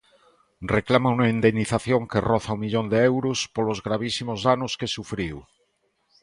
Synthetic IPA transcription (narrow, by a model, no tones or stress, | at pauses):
reklamaunaind̪enːiθaθjoŋkeroθaumiʎond̪eewɾuspolozɣɾaβ̞isimozðanuskesufɾiw